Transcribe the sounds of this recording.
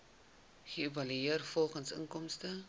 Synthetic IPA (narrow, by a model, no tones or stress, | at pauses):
χəevɐlyiərfɔlˠχənsə̰ŋkɔmstə